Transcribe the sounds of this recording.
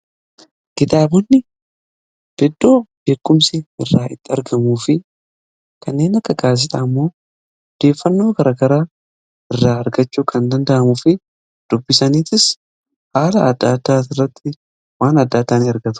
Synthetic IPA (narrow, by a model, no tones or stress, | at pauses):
kɪt̪aːbʊnːɪ | b̥ɛd̪ːo̞ːb̥e̞ːkːʊmsɪɪrːaːʔɪt̪ːɪɐɾɡɐmuːfɪ | kɐnːe̞ːnɐkːɐɡaːs̬ɪᶑ̪ɐːmːo̞ː | d̪e̞ːfːɐnːo̞ːkɐɾɐkɐɾaː | ɪrːaːɐɾɡɐt͡ʃːuːkʰɐnd̪ɐnd̪ɐʔɐmʊfɪ | d̪̥ʊbːɪsɐniːt̪ɪs | haːlɐɐd̪ːaːd̪ːaːt̪ɪrːɐt̪ːɪ | waːnɐd̪ːad̪ːaːnɪɐɾɡɐt̪ʊ̥